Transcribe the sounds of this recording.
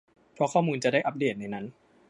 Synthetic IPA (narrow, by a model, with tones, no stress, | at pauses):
pʰɾɔ˦˥kʰɔː˥˩muː˧nt͡ɕa˨˩daː˥˩jʔa˨˦p̚deː˨˩t̪̚na˧˩jna˦˥n